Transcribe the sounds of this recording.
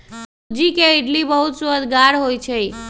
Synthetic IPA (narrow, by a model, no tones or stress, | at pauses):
d͡ʒikeeʈlibəɦut̪suəd̪ɡaɾɦojt͡ʃʰe